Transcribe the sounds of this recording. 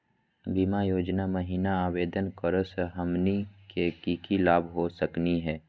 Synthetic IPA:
biːmajoːd͡ʒnaməɦiːnaaːweːd̪ənkəɾoseɦəmnikekiːkilaːbʱɦosəkniɦɛː

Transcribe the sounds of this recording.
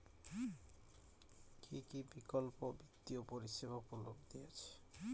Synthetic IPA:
kʰikibikolpobit̪ːiopoɾiʃebʱapɾulobd̪ijet͡ɕʰe̥

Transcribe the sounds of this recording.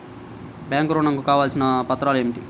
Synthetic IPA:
bjaːŋkuɾuːɳɐŋkukaːʋaːlsinɐpɐt̪ːɾaːlueːmiʈi

